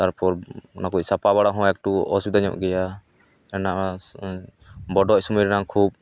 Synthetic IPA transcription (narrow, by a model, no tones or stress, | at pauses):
t̪aɾpʰɔɾnakucsapaβaɽaɦɔ̃ɛk̚ʈuɔ̰sid̪aɲɔ̰ʔɡɛja | ɛnaʔa | bɔɖɔisumiɾnaŋkʰub̚